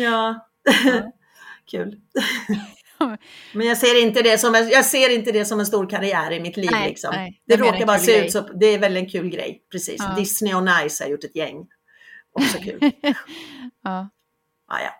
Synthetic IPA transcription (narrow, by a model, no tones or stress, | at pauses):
jɑː | kʰʉ̰ːl | mɛnjɑːɡseːɾɪnt̪əd̪ɛsɔmɛnjɑːɡseːɾɪnt̪əd̪ɛsɔmɛns̬t̪uːɾkʰaɾɪæːɾɪmɪt̪liːvlɪ̰ksɔ̰md̪̥ɛɾoːkaɾbɑːɾaseːʉ̟ːsɔd̪ɛːɾvɛlɪɛnkʰʉ̟ːlɡɾɛ̰jpʰɾɛsḭːsd̪ɪsnɪɔnajsha̰ɾjʊʈːɛt̪jɛŋː | ʔɔksɔkʰʉ̟ːl | ʔɑ̰ːjɑ̰ː